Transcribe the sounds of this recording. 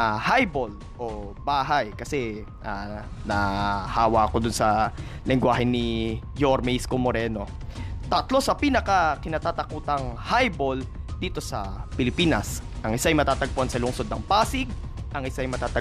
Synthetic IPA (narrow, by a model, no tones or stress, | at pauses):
hajbol | ʔo̞ | baːɦɐjkɐsɛ | anɐhaːwɐʔɐko̞d̪ʊnsɐ | lɪŋɡwaːɦɛnɪ | joɾmɛskomoɾɛno̞ | t̪ɐt̪lo̞sɐpiːnɐkɐkɪnat̪aːt̪ɐkuːt̪ɐŋhajbo̞ld̪iːt̪o̞sɐpɪlɪpiːnɐsʔɐŋʔɪsaɐjmɐt̪aːt̪ɐɡ̚poansɐlʊŋso̞d̪nɐŋpaːsɪɡ̚ | ʔɐŋɪsaɐjmɐt̪aːt̪ɐ